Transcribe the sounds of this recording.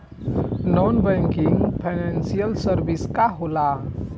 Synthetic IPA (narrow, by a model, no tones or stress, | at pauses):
nɔnbɛ̃ŋkiŋɡpʰanɛnsijəlsəɾbiskaɦola